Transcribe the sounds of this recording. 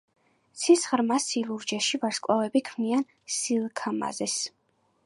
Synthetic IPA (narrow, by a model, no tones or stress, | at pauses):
t̪sʰisʁɾmasilˠuɾd͡ʒɛʃivaɾskʼwavɛbikʰmian | silˠkʰama̰zɛs